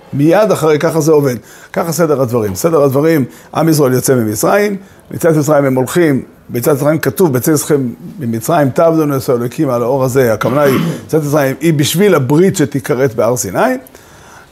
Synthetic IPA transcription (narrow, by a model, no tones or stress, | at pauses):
mijad̪aχaʁejkaχazeo̞ve̞d̪̚ | kaχase̞d̪eʁad̪vaʁimse̞d̪eʁad̪vaʁim | ʔa̰mis̬ʁoe̞ljot͡semimit͡sʁaim | mḭt͡sat̪mit͡sʁaimhemo̞lχim | bet͡sat̪isʁaimkatuvbet͡sesχembimit͡sʁajimt̪avd̪oneseolojkʰimalao̞ʁaze̞akamanait͡sat̪it͡sʁaimibiʃvilabʁit̪ʃet̪ikaʁe̞tbeaʁsinai